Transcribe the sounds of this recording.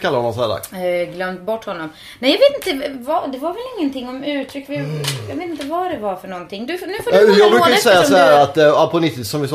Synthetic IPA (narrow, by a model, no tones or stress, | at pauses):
kʰalːahɔnːɔmsɔhæːd̪a̰ksɡlœmt̪bɔʈːhɔnːɔm | nɛjɑɡveːt̪ɪnt̪əvad̪ɛvaɾvɛlɪŋːənt̪ʰɪŋːɔmʉ̟ːt̪ʰɾʏkːvɪjɑɡveːt̪ɪnt̪əvaɖɛvaɾfœɳɔnt̪ʰɪŋːd̪ɵnʉːfoːdjɑːɡbɾʉːkajtəsɛjːasɔhæːɾat̪apʰɔnʏt̪ːɪt̪sɔmvɪs